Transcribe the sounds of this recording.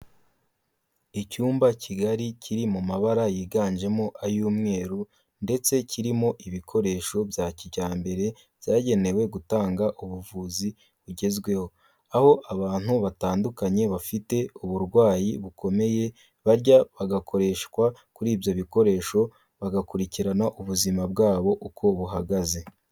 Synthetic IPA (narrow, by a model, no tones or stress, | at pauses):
icuːmbacʰiɡaɾicʰiɾimumaβaɾajiːɡaːɲd͡ʒe̞mo̞ʔajuːmŋe̞ːɾu | nde̞t͡se̞cʰiɾimo̞ʔiβikʰo̞ɾe̞ːʃo̞bjaːciɟaːmbe̞ɾe̞ | v̥jaːɟe̞ne̞we̞ɡutaːŋɡaʔuβuvuːzi | βuɟe̞zɡwe̞ho̞ | aho̞ʔaβaːn̥huβataːndukaɲe̞βafite̞uβuɾɡwaːjiβukʰo̞me̞je̞ | βaɾɟaβaɡakʰo̞ɾe̞ʃkwakuɾiːbjo̞βiko̞ɾe̞ːʃo̞ | βaɡakuɾiciɾanaʔuβuzimabɡaːβo̞ʔukʰo̞βuɦaɡaze̞